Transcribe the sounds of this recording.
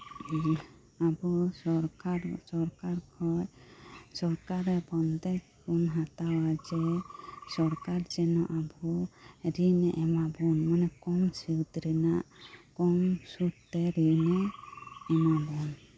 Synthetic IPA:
abuɔɾkaɾsɔɾkaɾkʰɔjsɔɾkaɾɛbɔnt̪ɛk̚ | kunɦat̪awad͡ʒɛsɔɾkaɾd͡ʒɛnɔʔabuɾinɛʔɛmabɔnmanɛkɔmsiwt̪ɾɛnaʔkɔmsuɾt̪ɛɾinɛ | ɛmabɔn

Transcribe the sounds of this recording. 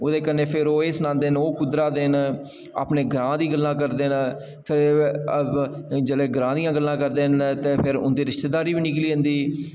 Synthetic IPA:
oːd̪eːkənːeːpʰɪɾoːeːsnãːnd̪eːnoːkʊd̪ɾaːd̪eːn | a̰ːpneːɡɾãːd̪iːɡəlːãːk̬əɾd̪eːn | pʰɪɾ | d͡ʒəleːɡɾãːd̪ijãːɡəlːãːkəɾd̪eːnt̪eːpʰɪɾʊ̰nd̪iːɾɪʃt̪eːd̪aːɾiːbiːnɪkliːə̃nd̪iː

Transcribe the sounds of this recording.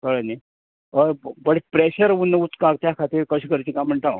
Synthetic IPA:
k̪əɭəne | əbəɽpɾeɕəɾunəut͡skak̚t̪jakʰat̪iːɾkəɕiːkəɾt͡ɕiːkamːəɳʈ̪a̰

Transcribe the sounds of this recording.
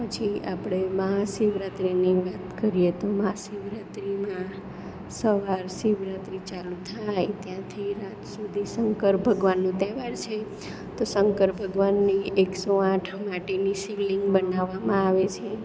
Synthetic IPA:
pət͡ʃʰiapɽ̃emaɦasiʋɾat̪ɾiniʋat̪kəɾijet̪omaɦasiʋɾat̪ɾimã | səʋaɾsiʋɾat̪ɾit͡ʃalũt̪ʰajt̪jãt̪ʰiɾat̪sud̪ʱisəŋkəɾbʱəɡʋanːũt̪ɛʋaɾt͡ʃʰe | t̪osəŋkəɾbʱəɡʋanːieksoãʈʰmaʈenisiʋliŋɡbənaʋːamãaʋet͡ʃʰe

